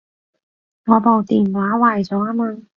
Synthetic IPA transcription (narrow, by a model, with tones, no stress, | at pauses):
ŋɔː˨˧po˨˧wt̪iː˨˩nwaː˨˥waː˨˧jt͡sɔː˨˥aː˥maː˧